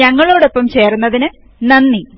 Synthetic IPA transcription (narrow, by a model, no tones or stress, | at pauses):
ɐŋːɐɭoːɽo̞pːɐmt͡ɕe̞ːrunːɐðinɨ | nɐnːi